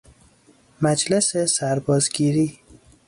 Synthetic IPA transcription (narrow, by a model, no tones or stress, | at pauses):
mæd͡ʒlesesæɾbɒːzɡiːɾiː